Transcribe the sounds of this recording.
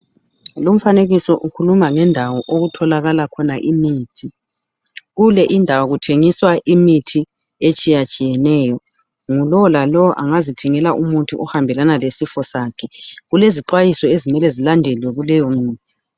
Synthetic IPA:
lom̩faneɣisɔʔukʰulumaŋɛndʱawɔʔoɣutʰɔlaɣalakʰɔnaʔimiːtʰi | ɣulɛʔindʱawaɣutʰeŋiswaʔimitʰiet͡ʃʼijat͡ʃʼijɛnɛːjɔ | ŋulɔwɔlalɔwɔʔaŋazitʰɛŋɛlaʔumutʰuʔɔhambʱɛlanalesifɔsaːkʰɛɣuleziǃwajisɔezimɛlɛzilandʱɛlwɛɣulɛjɔmiːtʰi̥

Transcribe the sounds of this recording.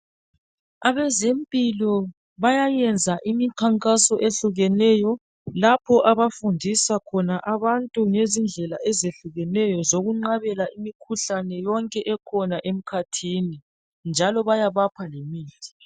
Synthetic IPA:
aβɛzempʼilɔ | βajajɛnd͡zʱaʔimikʰaŋkʼasɔʔeɬuɣɛnɛjɔ | lapʰɔʔaβafundʱisakʰɔnaʔaβantʼuŋezind͡ɮʱɛlaɛzeɬuɣɛnɛjɔzoɣuŋ͡ǃaβɛlaimikʰuɬanɛjɔŋkʼɛʔɛkʰɔnaʔem̩kʰatʰiːni | nd͡ʒʱalɔβajaβapʰalemiːtʼʰi̥

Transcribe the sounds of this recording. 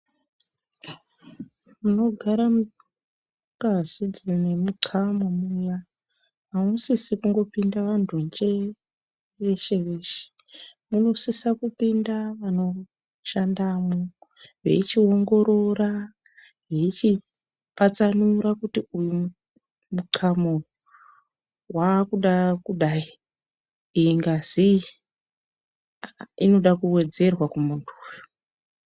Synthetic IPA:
muno̞ɡʱaɾam | kazid͡zinemuǀʰamumuja | amusisikuŋɡo̞pindaʋandond͡ʒe | ʋe̞ʃe̞ʋe̞ːʃe̥muno̞sisakupindaʋano̞ | ʃandamuʋe̞̰it͡ʃio̞ŋɡo̞ɾo̞ra | ɦeit͡ʃi | pat͡sanuɾakutiujum | mukʰamo | wakuɗakuɗai | iːŋɡaz̥i | ino̞ɗakuwe̞d͡ze̞rwakumuntʰu̥ːjo̥

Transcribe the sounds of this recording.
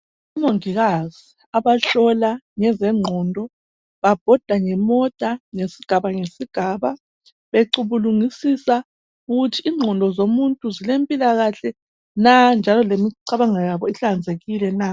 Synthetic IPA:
umoŋiɣaz̥i | aβaɬɔlaŋɛzɛŋ͡ǃʱɔndʱɔ | βab̥ʱɔd̥ʱaŋɛmɔtʼaŋesiɡ̥ʱaβaŋesiɡ̥ʱaːβa | βeǃuβuluŋisisa | uɣutʰiːŋ͡ǃʱɔndʱɔzomuntʼuzilempʼilaɣaɬɛ | nand͡ʒʱalɔlemiǀaβaŋajaβɔiɬand͡zʱeɣilɛna

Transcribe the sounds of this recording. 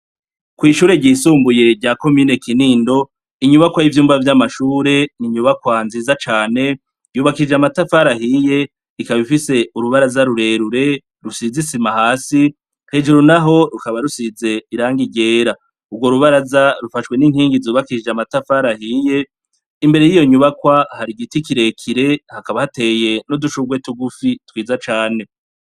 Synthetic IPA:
kwiːʃuːɾe̞ɟiːsuːmbuje̞ɾɟaːko̞miːne̞kiniːndo̞ | iɲuβakwajivjuːmvavjamaʃuːɾe̞niɲuβakwanziːzat͡ʃaːne̞ | juːβakiid͡ʒamatafaɾahiːje̞ | ikaβifise̞uɾuβaɾazaɾuɾe̞ɾuɾe̞ | ɾusizisimahaːsi | he̞d͡ʒuɾunaɦo̞ɾukaβaɾusize̞iɾaːŋɡiɟe̞ːɾa | ubɡwo̞ɾuβaɾazaɾufaʃwe̞niŋhiːŋɡizuːβakiid͡ʒamatafaːɾahiːje̞ | imbe̞ɾe̞jijo̞ɲuβakwahaɾiɡitikiɾe̞kʰiɾe̞hakaβahate̞ːje̞noduʃuɡwe̞tuɡufitwiːzat͡ʃaːne̞

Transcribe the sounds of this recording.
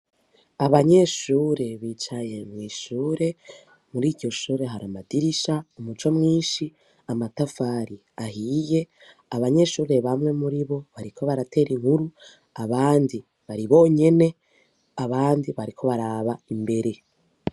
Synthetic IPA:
aβaɲe̞ʃuːɾe̞βiːt͡ʃaje̞mŋiːʃuːɾe̞ | muɾiːdɟo̞ʃuːɾe̞ɦaɾamadiɾiʃaumut͡ʃomŋiːnʃi | amatafaɾi | ahije̞ | aβaɲe̞ʃuːɾe̞βamŋe̞muɾiβo̞βaɾikʰo̞βaɾatʰe̞ːɾiŋhuɾu | aβaːndi | βaɾiβo̞ːɲe̞ne̞ | aβaːndiβaɾikʰo̞βaɾaːβaimbe̞ɾe̞

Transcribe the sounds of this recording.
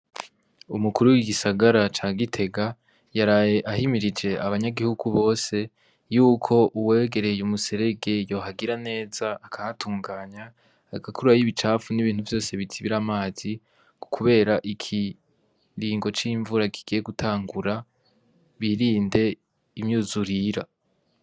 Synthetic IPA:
umukuɾuwiɡisaɡaɾat͡ʃaːɡitʰe̞ɡa | jaɾajeʔahimiɾid͡ʒe̞aβaɲaɡihuɡuβo̞ːse̞ | juːkʰo̞ʔuweːɡe̞ɾe̞jumuse̞ɾe̞ɡe̞jo̞ːɦaɡiɾane̞ːz̥aːkʰahatuːŋɡaːɲaː | ɡakʰuɾuajiβit͡ʃaːfuniβiːn̥uvjo̞ːse̞βitʰiβiɾamaːz̥i | ku̥kʰuβe̞ːɾaʔikʰi | ɾiːŋɡo̞t͡ʃiːɱvuɾakʰi̥ɡ̥ije̞ɡutʰaːŋɡuɾa | βiɾiːnde̞ | imɲuzuɾiɾa̰

